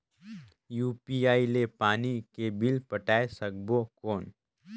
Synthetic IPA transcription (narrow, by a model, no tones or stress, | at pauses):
juːpiaːilepaːnikebɪlpɐʈaːesɐɡbokoːn